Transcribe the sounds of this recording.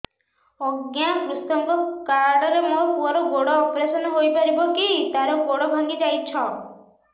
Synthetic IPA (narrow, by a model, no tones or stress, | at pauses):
ɔɡjabust̪ɔŋkɔkaɾɖɔɾemopuɔɾɔɡoɽɔːpɾesɔnɔɦojpaɾibɔkit̪aɾɔɡoɽɔbʱaŋɡid͡ʒajt͡ʃʰɔ